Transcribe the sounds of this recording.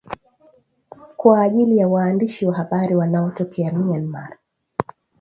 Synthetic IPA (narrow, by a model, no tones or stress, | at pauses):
kwaːʄilijawaːndiʃiwaɦaɓaɾiwanaɔtɔkʰɛamianma̰ɾa